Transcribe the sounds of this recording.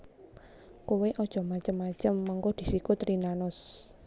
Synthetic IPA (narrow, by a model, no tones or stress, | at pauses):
koweʔɔd̥ʒ̥ɔ̤mat͡ʃəmːat͡ʃəmːaŋkod̪̥i̤sikʊt̪ɾinanʊs